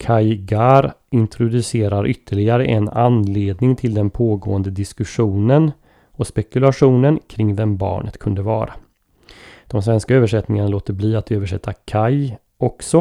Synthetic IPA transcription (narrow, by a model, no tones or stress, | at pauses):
kʰajɡaɾ | ɪnt̪ʰɾʊd̪ɵseːɾaɾʔʏt̪ʰːəɭɪɡaɾəʔɛnanleːd̪nɪŋt̪ʰɪld̪ɛnpʰoːɡo̰ːənd̪əd̪ɪskɵɧuːnən | ɔspɛkɵlaɧuːnənkʰɾɪŋvɛmbɑ̰ːɳʔə̰t̪kʰɵnd̪əvɑ̰ːɾa | d̪̥ɔmsvɛnskaøːvəʂɛt̪nɪŋanaloːt̪əɾbliːat̪øːvəʂɛt̪ːakʰaj | ɔksɔ